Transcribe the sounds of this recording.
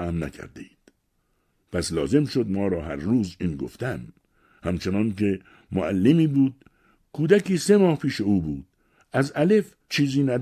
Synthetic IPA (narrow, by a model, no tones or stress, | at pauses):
æmnæ̰kʰæ̰ɾd̪eid̪̥ | pʰæslɒːzemʃod̪mɒːɾɒːɦæɾːuːziːnɡo̰ft̪æm | hæmt͡ʃʰenɒːnke | moælːemiːbuːd̪̚ | kʰuːd̪ækiːsemɒːhpʰiːʃeuːbuːd̪̥̚ | æzælef | t͡ʃʰiːziːnæd̪